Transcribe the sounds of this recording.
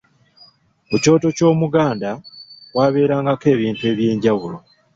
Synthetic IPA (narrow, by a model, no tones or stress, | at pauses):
kuco̞ːto̞co̞ːmuɡaːndawaːβe̞ːɾaːŋɡake̞ːβiːntue̞ːβje̞ːɲɟaβulo̞